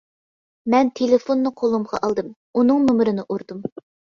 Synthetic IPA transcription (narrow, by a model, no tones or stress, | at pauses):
mɛnt̪ʰelɪfonːɨqʰolˠumʁɑ̰ʔɑlˠd̪ɨm | unɨŋnumɾɨnɨʔuɾd̪um